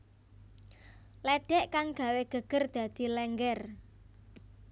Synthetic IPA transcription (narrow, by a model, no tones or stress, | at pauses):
lɛɖ̥ɛʔkaŋɡ̥a̤weɡ̥ə̤ɡ̥ə̤rd̪̥a̤d̪̥i̤lɛŋɡɛr